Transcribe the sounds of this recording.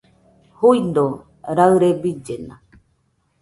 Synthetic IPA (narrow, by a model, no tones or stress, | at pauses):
huind̪o | ɾaɯɾebid͡ʒenã̰